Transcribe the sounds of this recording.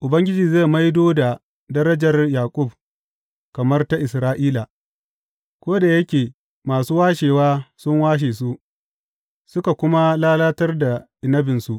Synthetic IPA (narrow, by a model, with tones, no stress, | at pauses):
ʔʊ˨bɐ˦ŋɡʲɪ˦d͡ʒiː˨ze˦˨ma˦jdoː˦da˨ | dɐ˦ɾɐ˦d͡ʒɐ˨rjaː˨kʷʼʊ˦˨b̚ | kɐ˨mɐ˦rta˦ʔɪ˨sɾaː˦ʔiː˦la˨ | kʷoː˦da˨jɐ˦kʲeː˨ | maː˨suː˦waː˦ʃeː˨waː˦sʊ˦ŋwaː˦ʃ̬eː˨s̬u˦ | sʊ˦ka˨kʷʊ˦ma˦laː˦laː˦tɐ˦rda˨ʔɪ˨nɐ˦bɪ˨nsu˨ʔ